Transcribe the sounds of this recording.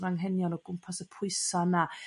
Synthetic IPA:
raŋɦɛnjɔnɔɡ̥ʊmpʰasəpʰʊɨsana

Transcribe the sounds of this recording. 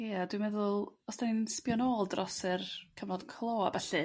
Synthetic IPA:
jadwimɛðʊlˠɔsd̥aninnspjɔnoːlˠdrɔsɨrkʰəvnɔd̥kʰlˠoːa̰bɛɬɨ

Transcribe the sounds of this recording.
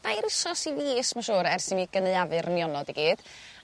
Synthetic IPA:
dajɾəsɔsiviːəsmaʃuːɾɛrsɪnmiɡ̥ənəðavɨɾənjɔnɔdiɡiːd̥

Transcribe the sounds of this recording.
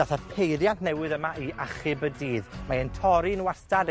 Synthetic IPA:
aθapʰejɾjantʰnɛwɪðəmaʔiaχɪbədiːðmaəntʰɔɾinwastad

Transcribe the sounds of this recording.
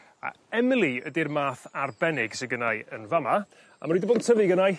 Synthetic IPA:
a̰ | ɛmɪlˠiədirmaːθarbɛnɪɡsəɡənajənvama | a̰məɾiːdəboːdtʰəvɨɡənaj

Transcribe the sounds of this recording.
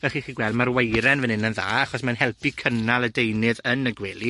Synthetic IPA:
vɛlχiːχiːɡwɛlˠdmarwejɾɛnvɛnɪnənðaːaχɔsmɛnɦɛlˠpʰikʰənalˠədejnɨðənəɡwɛlˠi

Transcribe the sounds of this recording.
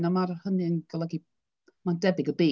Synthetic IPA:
namarhənɨənɡ̥əlˠəɡi | mandɛbɪɡəbeː

